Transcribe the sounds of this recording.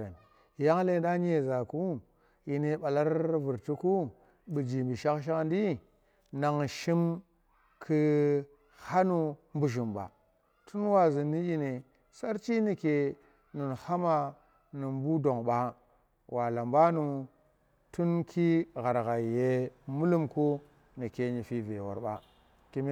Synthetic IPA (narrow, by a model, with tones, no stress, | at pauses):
n˨ | ja˦ŋ˦le˦da˦ɲ˦e˨za˨ku˦ | ji˨ne˨ɓa˨la˦ɾvu˨ɾti˦ku˦ | ɓi˨d͡ʒi˨mbi˨ʃa˦kʃ̬a˦kndi˦ | na˨ŋʃi˦m | kʰɨ˦ | ha˦nu˦mbu˨ʃ̬i˨mba̰˨ | tʰu˦nwa˨zi˨nːi˦ji˦ne˨ | sa˦ɾt͡ʃi˦ni˨ke˨ | ni˨nha˦ma˨ | nu˨m˦bu˦do˨ŋɓa˨ | wa˨la˨mba˦nu˨ | tu˦nkʰi˦ɣa˨ɾɣa˨je˨mu˦lu˦mku˦ | ni˨ke˨ɲi˨fi˨ve˨wo̰˨ɾɓa̰˨ | ki˨m˦